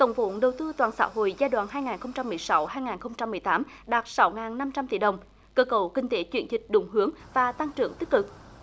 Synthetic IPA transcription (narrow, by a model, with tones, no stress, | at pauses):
t̪ə˧wŋ͡mvo̰˧˨nɗə˨˩wt̪ɨ˧t̪waː˨˩nsa̰ː˧˥ɦo̰˧˨jzaː˧jɗwa̰ː˧˨nɦaː˧jŋaː˨˩nxə˧wŋ͡mt͡ɕa˧mːɨ˨˩əjsa˨˦wɦaː˧jŋaː˨˩nxə˧wŋ͡mt͡ɕa˧mːɨ˨˩əjt̪aː˨˦m | ɗaː˨˩t̚sa˨˦wŋaː˨˩nːa˧mt͡ɕa˧mt̪ḭ˧˩ɗə˨˩wŋ͡m | kəː˧kə˧˨˩wkï˨˩ŋ̟t̪e˨˦t͡ɕwi˧˩ənzï˨˩k̟̚ɗʊ˨˩ŋ͡mɦɨ˨˦əŋvaː˨˩t̪a˧ŋt͡ɕɨ̰˧˩əŋt̪i˦˥k̚kɨ˨˩k̚